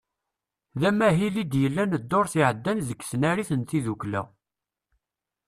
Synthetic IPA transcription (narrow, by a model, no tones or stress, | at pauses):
ðæmæɦilid̪jəlːænəd̪ːoɾθiʕəd̪ːænzəkːsənæɾiθənt̪iðuklæ̰